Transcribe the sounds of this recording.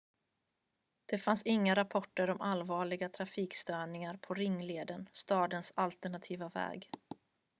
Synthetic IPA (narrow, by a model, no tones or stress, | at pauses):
d̪̥ɛfansɪŋːaɾapʰɔʈːəɾɔmʔalvɑːɭɪɡat̪ʰɾafiːkst̪œːɳɪŋaɾpʰɔɾɪŋːleːd̪ənst̪ɑːd̪ənsalt̪əɳat̪ʰiːvavɛ̰ːɡ